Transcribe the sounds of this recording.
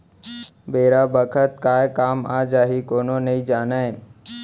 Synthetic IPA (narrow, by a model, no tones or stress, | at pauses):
beːɾaːbəkʰət̪̚kaːekaːmaːd͡ʒaːɦikoːnoːnəĩd͡ʒaːnaːẽ